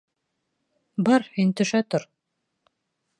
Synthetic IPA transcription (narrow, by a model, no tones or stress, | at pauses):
bɑɾhint̪ɵ̆ʃæt̪oɾ